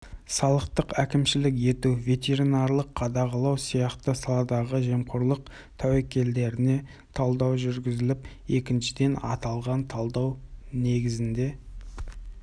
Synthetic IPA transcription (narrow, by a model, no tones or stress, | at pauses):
sɑlˠəqt̪əqækʲɪmʃɪlɪkje̞t̪uvʲe̞t̪e̞ɾinɑɾlˠəqʰːɑd̪ɑʁɑlˠɑwsijɑqt̪əsɑlˠɑd̪ɑʁəʒe̞mqʊɾlˠəq̚ | t̪ʰɑwækʲe̞ld̪e̞ɾɪne̞ | t̪ʰɑlˠd̪ɑwʒʏɾɡʲɪzɪlɪp | e̞kʲɪnʃɪd̪e̞nɑ̰t̪ɑlˠʁɑnt̪ʰɑlˠd̪ɑwne̞ɡʲɪzɪnd̪e̞